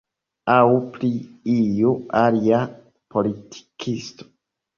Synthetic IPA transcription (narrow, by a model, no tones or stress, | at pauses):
awpliijualia | pʰo̞litʰi̥kʰisto̥